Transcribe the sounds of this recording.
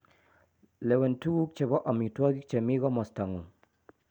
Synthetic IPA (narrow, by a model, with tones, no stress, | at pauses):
lɛ˨wɛ˨ntu˦ɡu˦k̚t͡ʃe˨bɔ˦ʔɔ˨mi˨twɔ˦ɡi˦k̚t͡ʃe˨mi˦ɡɔ˦mɔ˨sta˨ŋu˨